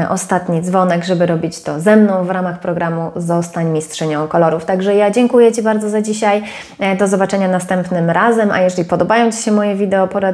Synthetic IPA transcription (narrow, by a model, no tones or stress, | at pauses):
ʔɔst̪at̪ɲid̪zvɔnɛɡʐɛbɘɾɔbʲit͡ɕt̪ɔzɛmnɔ̃w̃vɾamaxpɾɔɡɾamuzɔst̪aɲmʲistʂɘɲɔ̃w̃kɔlɔɾuft̪aɡʐɛjad͡ʑɛŋkujɛt͡ɕibaɾd̪zɔzad͡ʑiɕaj | d̪ɔzɔbat͡ʂɛɲanast̪ɛmpnɘmɾazɛma̰jɛʐɛlʲipɔd̪ɔbajɔ̃w̃t͡ɕi̥ɕɛmɔjɛvʲid̪ɛɔpɔɾa